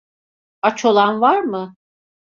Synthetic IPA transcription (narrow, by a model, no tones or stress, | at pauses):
at͡ʃʰolˠanvaɾmɯ